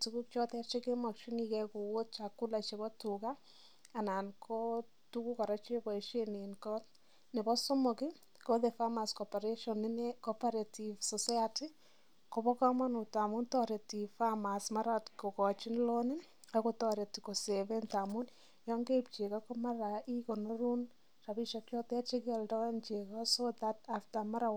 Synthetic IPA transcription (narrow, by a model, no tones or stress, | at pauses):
tukukt͡ʃɔtɛt͡ʃekemakʃinikɛkuwot̚t͡ʃakːulat͡ʃebɔtuka | anankʰo | tukukaɾat͡ʃebɔeʃeninkɔ | nebɔsomokɪ | koðefamaskɔpaɾeʃɔnːɪnekɔpaɾativsɔsajati | koβɔkamanotamuntɔɾetifamasmaɾatkokɔt͡ʃinlonɪ | akotɔɾetikoseβentamun | jɔŋɡept͡ʃekakomaɾaʔikonoɾun | raβiʃɔkjɔtat͡ʃekɛldɔnt͡ʃekɔsoðataftamaɾaw